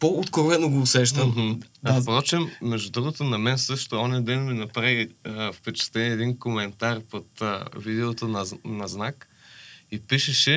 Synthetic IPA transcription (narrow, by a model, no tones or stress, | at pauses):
poot̪koɾvɛnoɡoːsɛʃ̬t̪əmɦ̩pɾɔt͡ʃɛmːɛʒd̪ud̪ɾuɣot̪onɐmɛnsɤʃt̪oɔnɛd̪ɛnminɐpɾaviəfpɛt͡ʃɛ̥t̪ɛniɛɛd̪inkomɛnt̪aɾpot̪əvid̪ɛot̪onɐnɐznak | ipiʃɛʃɛ